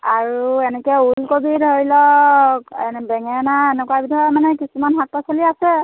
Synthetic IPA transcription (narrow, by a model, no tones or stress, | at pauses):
aɹuɛnɛkɛulkobidʱoɹilɔkɛbɛŋɛnaɛnɛkuwabidʱɔmanɛkisumanɦat̚pasoliasɛ